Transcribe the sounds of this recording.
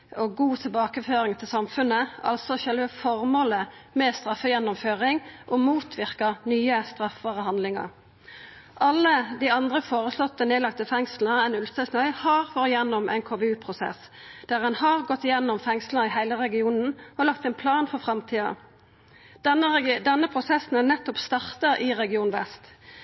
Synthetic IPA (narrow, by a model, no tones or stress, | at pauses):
ɔɡuːt̪ʰɪlbɑːkəføːʁɪŋt̪ʰɪlsɑmfʉnəɑ̰lsɔçœlʋəfɔʁmoːləmɛst̪ʁɑfːəjɛnːʊmføːʁɪŋʔɔmuːt̪ʰʋɪʁkəʁnyːəst̪ʁɑfʋɑːʁəɦɑnd̪lɪŋɑ̰ʁ | ʔɑlːəd̪iɑnd̪ʁəfoːʁəslɔt̪ːəneːlɑk̚t̪əfɛŋsləʁɛnʉlsəsnœʏhɑːʁfɔɾɪjɛnːʊmʔɛ̰nkʰoːʋɛʉːpʰʁʊsɛ̰s | d̪̥æʁɛnhɑʁɡɔt̪ːɪjɛnːɔmfɛŋsləɪɦæɪləʁɛɡɪuːnn̩ɔlɑkt̪ɛnpʰlɑːnfɔʁfʁɑmt̪ʰiːɑ̰ | əd̪ɛnːəpʰʁʊsɛsn̩ɛnɛt̪ːɔpst̪ɑʁt̪əʁɪʁɛɡɪuːnʋɛ̰st̪